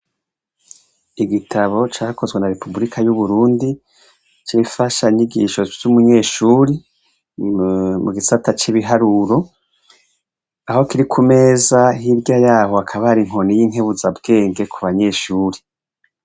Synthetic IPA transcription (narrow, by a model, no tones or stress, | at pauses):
iɡitʰaβo̞t͡ʃaːɾakʰo̞zwenaɾe̞pʰubulikʰajuβuɾuːndi | t͡ʃiifaʃaiɲiɡiʃo̞umuɲe̞ːʃuːɾi | muɡisatat͡ʃiβiɦaɾuɾo̞ | aho̞kiɾikʰume̞ːzaɦiɾɟajaːho̞akʰaβaaɾiŋ̥o̞nijiŋ̥e̞βuzabɡe̞ːŋɡe̞kʰuβaɲe̞ːʃuːɾi